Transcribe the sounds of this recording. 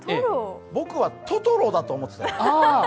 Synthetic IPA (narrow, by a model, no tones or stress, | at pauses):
eɾobo̞kɯ̟βat̪ot̪oɾod̪at̪oːmo̞t̪ːet̪a